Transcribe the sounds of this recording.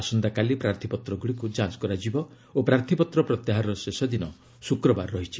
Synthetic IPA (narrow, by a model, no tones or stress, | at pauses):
sɔnd̪akalipɾaɾt̪ʰipɔt̪ɾɔɡuɽikud͡ʒãt͡ʃkɔɾad͡ʒibɔ | opɾaɾt̪ʰipɔt̪ɾɔpɾɔt̪jaɦaɾɔsesɔd̪inɔ | sukɾɔbaɾːɔɦit͡ʃʰi